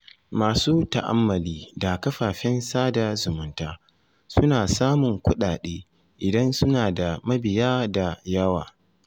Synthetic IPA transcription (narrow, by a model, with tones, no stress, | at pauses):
maː˨suː˦ta˨ʔa̰˦mːɐ˨liː˦da˨kɐ˦ɸaː˨ɸɛ˦nsaː˦da˨zʊ˨mʊ˨ntaː˦ | sʊ˦naː˨saː˦mʊ˨ŋkʷʊ˦ɗaː˨ɗeː˦ | ʔɪ˨dɐ˦nsʊ˦naː˨da˨mɐ˦bɪ˨jaː˦da˨jɐ˦wa̰ː˨